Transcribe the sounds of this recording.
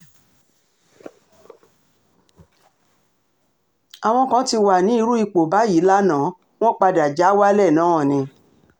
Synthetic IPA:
a˨w̃ɔ̃˧kã˨˦ti˧wa˨nĩ˨˦i˧ɾu˦i˧k͡po˨ba˨˦ji˨˦la˦nã˨˦ | w̃ɔ̃˦k͡pa˧da˨d͡ʒa˨˦wa˦lɛ˦˨nã˨˦ɔ̃˦˨nĩ˧

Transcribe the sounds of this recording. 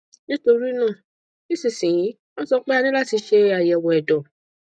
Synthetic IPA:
nĩ˦to˧ɾi˦nãː˦˨ | i˦˨sĩ˨sĩ˨ĩ˨˦ | ɔ̃˦sɔ˧k͡pɛ˦a˦˧nĩ˦la˦˨ti˧ʃe˧a˨jɛ˨wɔ˨ɛ˨dɔ˨

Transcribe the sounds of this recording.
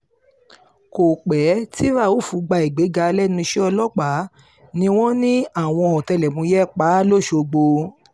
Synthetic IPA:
ko˨k͡pɛ˨˦ti˦ɾa˦˨wo˦˨fu˨˦ɡ͡ba˧i˨ɡ͡be˨˦ɡa˧lɛ˦nũ˧ʃɛ˦ɔ˧lɔ˦k͡pa˨˦ | nĩ˧˦w̃ɔ̃˦nĩ˦a˦˨w̃ɔ̃˧ɔ˨tɛ˧lɛ˨mũ˧˦jɛ˦˨k͡pa˨˦lo˦˨ʃo˧ɡ͡bo˧

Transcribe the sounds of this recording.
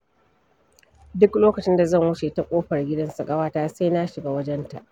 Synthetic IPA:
dʊ˦kloː˦kɐ˨t͡ʃɪ˦nda˨zɐ˦˨ŋwʊ˦t͡ʃe˨ta˨kʷʼoː˦ɸɐ˨rɡʲɪ˦dɐ˦nsɐ˨kʼɐ˦waː˦taː˦sa˦jna˦ʃɪ˨ɡaː˦wɐ˦d͡ʒɛ˦nta̰˨ʔ

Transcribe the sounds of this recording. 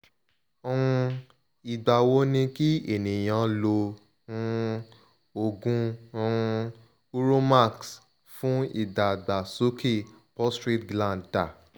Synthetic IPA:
ɔ˧ũ˧ | i˨da˨wo˨˦nĩ˧ki˦e˨nĩ˨j̃ã˧lõ˧˦˧ | o˨ɡũ˧ | u˦ɾo˦ma˦˨ks | fũ˦ḭ˦˨da˨ɡ͡ba˨so˦kʰe˦˨ | pɔ˦stɾi˦tɡlã˦˨da˨

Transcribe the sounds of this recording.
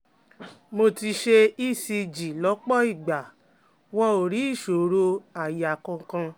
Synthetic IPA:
mo˧ti˧ʃe˧i˦si˧d͡ʒi˨lɔ˨˦k͡pɔ˦i˦˨ɡ͡ba˨ | wɔ˧o˨ɾi˨˦i˦˨ʃo˨ɾo˧a˨ja˨kɔ̃˧kã˧

